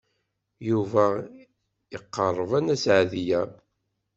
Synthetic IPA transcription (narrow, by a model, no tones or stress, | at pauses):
juvæ | əqːɑrˤːəvænæsʕðijæ